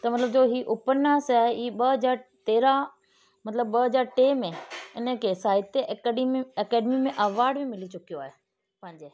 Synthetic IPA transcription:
t̪ɐmɐt̪ləbd͡ʑoːɦiːʔʊpəɾnaːsaːɦeiːɓɐɦɐzaːɾt̪eːɾa | mɐt̪ləbːɐɦɐzaːɾʈeːmẽɪnəkʰeːsaːɦɪt̪e | ɐkɛːɖmimẽʔɐʋaːɾɖbimɪlit͡ɕʊkijoaːɦe | pɐ̃ɦɪ̃ɲd͡ʑeː

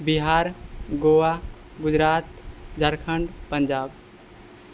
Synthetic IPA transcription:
biɦaːɾɡowa | ɡʊd͡ʒɾaːt̪d͡ʒʱəɾkʰəɳɖpənd͡ʒaːb

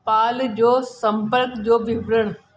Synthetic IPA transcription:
paːld͡ʑoːsɐ̃mpəɾkd͡ʑoːʋɪbʱɾəɽ̃

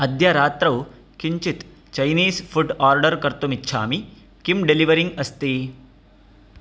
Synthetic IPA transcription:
əd̪ʱjaɾat̪ɾəw | kiɲt͡ɕit̪ | t͡ɕɐjniːsfuʈaɾɖəɾkəɾt̪omitːɕʰaːmi | kimɖeliʋəɾiŋɡəst̪iː

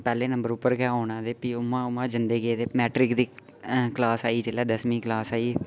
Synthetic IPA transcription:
pɛːleːnəmbəɾʊpːəɾɡɛoːnãːd̪eːpiːʊmãːʊmãːd͡ʒɪnd̪eːɡeːd̪eːmɛːʈɾɪkd̪iː | klaːsaːiːd͡ʒeːlɛːd̪əsmĩːklaːsaːiː

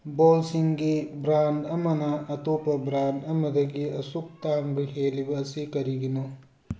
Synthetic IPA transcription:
boːlsiŋɡibɾaːndɐmɐnɐʔɐt̪oːpɐbɾaːnɐmɐd̪ɐɡiɐsuk̚t̪aːŋbiɦeːliʋɐsikɐɾiɡinu

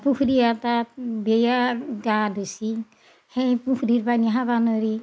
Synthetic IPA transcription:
pukʰɾiatabejaɡadusi | hɛjpukɾiɾpaniɦaβanɔɾi

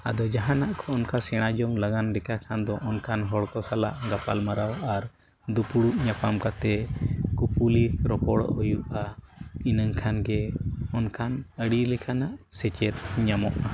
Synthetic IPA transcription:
a̰d̪ɔd͡ʒaɦãnaʔkʰɔːnkasɛɽ̃ad͡ʒɔŋlaɡanɖɛkakʰand̪ɔʔɔnkʰanɦɔɽkɔsala̰ʔɡapalmaɾawaɾ | d̪upuɽuʔɲapamkat̪ɛkupuliɾɔpɔɽ̰ɔjuʔainəŋkʰanɡɛɔnkʰanəɽilɛkʰanaʔsɛt͡ʃɛt̪̚ɲamɔ̰ʔa

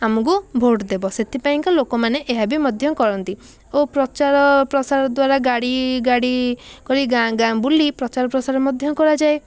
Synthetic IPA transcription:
amɔkubʱoʈd̪ebɔset̪ʰipaĩŋkɔlokɔmaneʔeɦabimɔd̪ʱjɔŋkɔɾɔnt̪i | opɾɔt͡ʃaɾɔpɾɔsaɾɔd̪waɾaɡaɽiɡaɽikɔɾiɡãɡãbulipɾɔt͡ʃaɾɔpɾɔsaɾɔmɔd̪ʱjɔkɔɾad͡ʒae

